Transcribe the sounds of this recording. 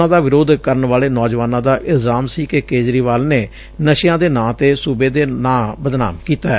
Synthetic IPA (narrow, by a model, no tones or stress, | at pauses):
ãːd̪aːʋɪɾoːd̪kəɾənʋaːleːnɔːd͡ʒʋaːnãːd̪aːʔɪlzaːmsiːkekeːd͡ʒɾiːʋaːlneː | nəʃjãːd̪eːnãːt̪eːsubeːd̪eːnãːbəd̪na̰ːmkiːt̪aːɛː